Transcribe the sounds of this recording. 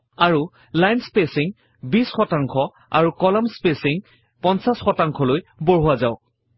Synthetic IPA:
aɹu | lajnspesiŋ | bisxɔtaŋkʰɔ | a̰ɹukɔlɔmspesiŋ | pɔnsasxɔtaŋkʰɔlojbɔɹɦʊwazaʊk

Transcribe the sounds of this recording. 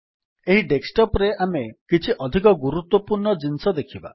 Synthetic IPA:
eɦiɖeksʈɔpɾeʔamekit͡ʃʰiʔɔd̪ʱikɔɡuɾut̪wɔpuɾɳɔd͡ʒinsɔd̪ekʰiba̰

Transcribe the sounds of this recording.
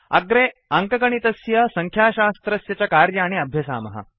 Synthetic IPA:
ɐ̰ɡɾeːɐŋkɐkɐɳ̃it̪ɐsjɐsɐŋkʰjaːʃaːst̪ɾɐsjɐt͡ɕakaːɾjɐːɽ̃iɐbʱjɐsa̰ːmɐɦɐ̰

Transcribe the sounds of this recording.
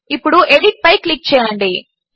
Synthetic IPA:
ipːuɽuʔeɖiʈ̚pɐjklik̚t͡ʃɛːjɐɳɖi

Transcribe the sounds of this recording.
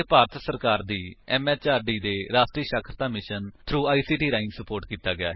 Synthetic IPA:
paːɾət̪ʰsəɾkaːɾd̪iːɛːmɛːt͡ʃaːɾɖiːd̪eːɾaːsʈɾiːʃəkʰɾət̪aːmɪʃənt̪ʰɾuːaːiːsiːʈiːɾãːɪ̃ŋɡsəpoːɾʈkiːt̪aːɡɪa̰ː

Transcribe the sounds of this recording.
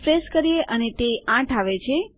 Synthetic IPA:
fɾeskəɾijeʔənet̪eãʈʰaʋet͡ʃʰe

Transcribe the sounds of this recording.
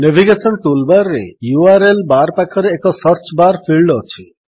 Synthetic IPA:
nebʱiɡesɔnʈulbaɾːḛjuaɾelbaɾpakʰɔɾeːkɔsʌɾt͡ʃbaɾpʰiɭɖɔt͡ʃʰi

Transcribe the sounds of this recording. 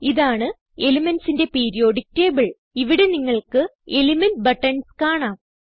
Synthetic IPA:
iðaːɳɨ | e̞limɐnsinde̞peːɾijo̞ːɽik̚te̞ːbɐɭ | iʋiɽe̞niŋːɐɭkɨe̞limɐnbɐʈːɐɳskaːɳaːm

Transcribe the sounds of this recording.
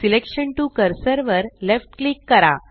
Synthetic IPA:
silekʂəɳʈukəɾsəɾʋəɾlefʈklikːəɾa̰

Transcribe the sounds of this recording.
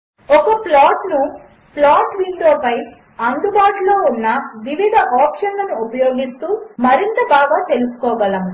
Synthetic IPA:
ɔkɐplaːʈnu | plaːʈʋiɳɖoːpɐj | ɐnd̪ubaːʈulo̞ːunːɐʋiʋid̪ʱɐʔaːpʂɐnlɐnuːpɐjoːɡist̪uːmɐɾint̪ɐbʱaːɡaːt̪elusu̥kɔːɡɐlɐmu

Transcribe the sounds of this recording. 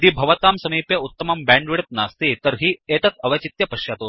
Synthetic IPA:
d̪iːbʱɐʋɐt̪aːmsɐmiːpjɐut̪ːɐmɐmbɛːɳɖʋiɽɐt̪̚naːst̪iːt̪əɾɦiːeːt̪ɐt̪ɐʋɐt͡ʃit̪jɐpɐʃjat̪oː

